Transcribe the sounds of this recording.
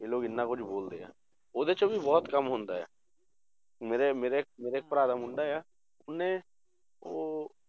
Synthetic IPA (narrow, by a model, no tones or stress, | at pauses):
jeloːɡɪnːakʊt͡ʃʰboːld̪eja̰ː | oːd̪et͡ʃobʱibɔːt̪kɐmɦõːnd̪aɦɛ̰ː | meːɾemeːɾeeːk̚meːɾeeːk̚pɾaːd̪amʊ̃ɳɖaɦɛjaː | ʊnːẽ | oː